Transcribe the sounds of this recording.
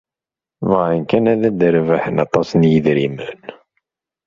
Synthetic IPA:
vʁinkænæðæd̪əɾvəħənɑt̪ˤɑsnjəðɾimən

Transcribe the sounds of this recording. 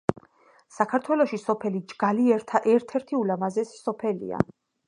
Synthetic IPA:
sakʰaɾt̪ʰwɛlɔʃisɔpʰɛlid͡ʒɡ̥aliɛɾt̪ʰaʔɛɾt̪ʰɛɾt̪ʰiulamazɛssɔpʰɛlḭa̰

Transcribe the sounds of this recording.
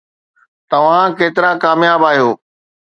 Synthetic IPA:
t̪ɐʋ̤ãkeːt̪ɪɾakaːmjaːbaːɦijoː

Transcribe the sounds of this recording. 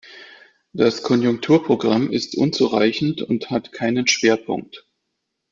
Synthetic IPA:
d̥askʰɔnjʊŋk̚tʰuːɐpʁ̥oɡʁamɪstʔʊnt͡suʁaɪçn̩tʊnthatkʰaɪnənʃv̥eːɐpʰʊ̰ŋk̚t

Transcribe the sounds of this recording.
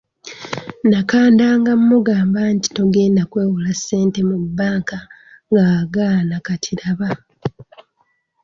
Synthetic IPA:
nakaːndaːŋɡamːuɡaːmbaːnti̥to̞ɡe̞ːndakwe̞ːwulasːe̞ːnte̞mubːaːŋka | ŋɡaːɡanakatʰiɾaβa

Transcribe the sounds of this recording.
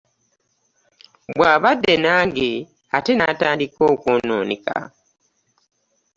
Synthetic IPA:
bwaːβadːe̞naːŋɡe | ate̞nataːndiko̞ːkoːno̰ːnika̰

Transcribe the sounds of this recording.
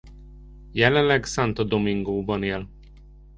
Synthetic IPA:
jɛlɛnlɛɡsant̪ɒd̪omiŋɡoːbɒneːl

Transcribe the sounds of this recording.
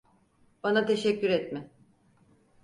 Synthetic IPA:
banat̪ʰe̞ʃɛcːyɾɛt̪mɪ

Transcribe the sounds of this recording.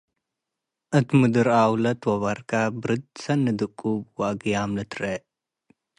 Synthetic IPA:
ʔɨt̪mɨd̪ɨɾawlɐt̪wɐβaɾkʰabɨɾɨd̪̚sɐnːɨd̪ɨkʼːubwaʔɡjamlɨt̪ʰɾe

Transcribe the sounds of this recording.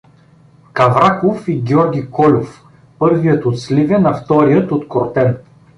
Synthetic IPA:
kɐvɾakofiɡʲɔɾɡʲikɔlʲof | pɤɾvijət̪ot̪slʲivɛnɐft̪ɔɾijət̪ot̪koɾt̪ɛn

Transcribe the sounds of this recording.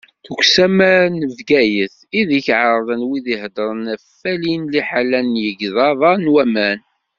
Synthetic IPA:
θəɡʷsæmæɾnəvɡæjəθ | iðəçʕəɾˤðˤənwiðiɦd̪əɾˤənæfːælinliħalænːjəɡðɑðˤɑnwæmæn

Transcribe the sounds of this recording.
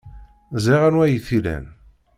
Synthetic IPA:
ziʁænwæjiθilæ̰n

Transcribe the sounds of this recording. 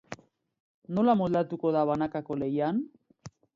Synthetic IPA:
no̞lamold̪at̪uko̞ðaβanakako̞le̞jan

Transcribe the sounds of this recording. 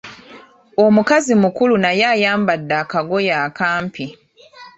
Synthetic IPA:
o̞mukazimukulunajaːjaːmbadːakaɡo̞jaːkaːmpi

